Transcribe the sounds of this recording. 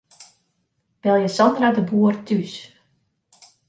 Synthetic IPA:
b̥ɛlˠjəsɔndradəbuərtʰys

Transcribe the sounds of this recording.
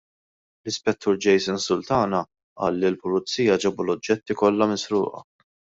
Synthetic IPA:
lɪspɛt̪ːuːɾd͡ʒɛjsɪnsʊlt̪ɐːnɐ | ʔɐ̰ːlːilpʊlʊt͡sːiːjɐd͡ʒɛbulɔd͡ʒːɛt̪ːikɔlːɐmɪsɾʊ̰ːʔɐ̰

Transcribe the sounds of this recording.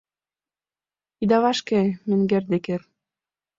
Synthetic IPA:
id̪ɑβɑʃkemɘ̆ŋɡerd̪eker

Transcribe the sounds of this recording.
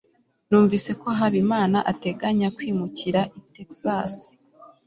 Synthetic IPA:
nuːɱvise̞ko̞ɦaβimaːnaʔate̞ɡaɲakwiːmuciɾaʔiteksasi̥

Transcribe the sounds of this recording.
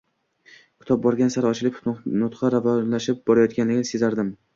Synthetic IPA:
kʲʰɪ̥t̪ɒp̚bɒɾɡʲansaɾɒt͡ʃʰɪlɪpʰʊt̪ʊnʊt̪qʰɑɾavɒnlaʃɪp̚bɒɾajɒt̪̚kʲanlɪɡʲnɪsezaɾd̪ɪm

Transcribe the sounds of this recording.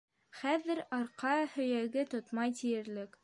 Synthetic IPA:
χæðːɘɾɑɾqɑhɵ̆jæɡɘt̪ot̪mɑjt̪ijɘ̆ɾlɘk

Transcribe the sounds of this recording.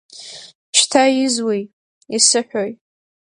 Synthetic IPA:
t͡ʃʰtʰajɪzwij | isɨħʷᶣoj

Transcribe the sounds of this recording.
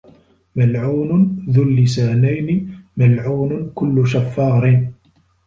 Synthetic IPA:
malʕuːnʊnðʊlːɪsaːnajnɪmalʕuːnʊkʊlːʊʃafːɑːɾɪn

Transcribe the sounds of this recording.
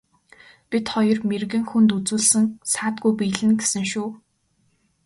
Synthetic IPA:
pʲit̪χɔjɞ̆rmerɣɘ̆ŋxunt̪ut͡suːɮsɘ̆ŋsaːt̪ɡujpijɮɘ̆nɡesɘ̆ŋʃuː

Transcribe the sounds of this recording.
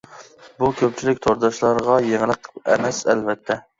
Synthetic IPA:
bukʲʰøp̚t͡ʃʰilɪkʲt̪ʰoɾd̪ɑʃlˠɑɾʁɑjeŋlˠəqɛ̰mɛsɛlvɛt̪ʰːɛ

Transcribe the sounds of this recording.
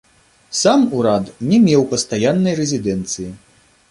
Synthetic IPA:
samuɾat̪nʲɛmʲɛwpɐst̪ajanːɐjrɛzʲid̪ɛnt̪sɨji

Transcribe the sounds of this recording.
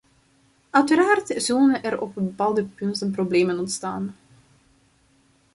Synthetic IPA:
œɥtəɾaːrtz̥ɵlənɛɾɔ̰p̚bpaːlˠdəpɵntənprobleːmənɔntstaːn

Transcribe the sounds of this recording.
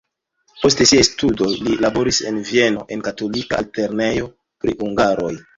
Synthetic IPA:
po̞ste̞siastudo̞jlilabo̞ɾise̞̰nvie̞no̞̰ʔe̞nkato̞lika̰ːlte̞ɾne̞jo̞ | pɾḭhuŋɡaɾo̞j

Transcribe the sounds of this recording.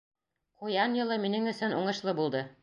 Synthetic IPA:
qujɑnjɤ̆lˠɤminɘŋɵ̆sɵnṵɴɤ̆ʃlˠɤbulˠd̪ɤ

